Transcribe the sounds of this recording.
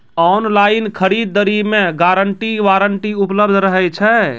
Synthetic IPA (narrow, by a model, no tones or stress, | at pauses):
ɔnlainkʰəɾid̪̚ːəɾimeɡaɾəɳʈiʋaɾəɳʈiupləbd̪ʱɾəɦɛt͡ʃʰɛ